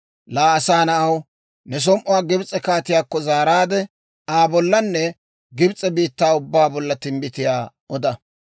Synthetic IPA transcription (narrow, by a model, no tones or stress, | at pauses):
laːɐsaːnɐʔɐw | nɛs̬ɔmʔʊwaːɡɪbt͡sʼːɛkaːt̪ɪjaːkːɔzaːɾaːd̪ɛ | aːbɔlːɐnːɛ | ɡɪbt͡sʼːɛbiːt̪ːaːʊbːaːbɔlːɐt̪ɪmbɪt̪ɪjaː | ɔd̪ɐ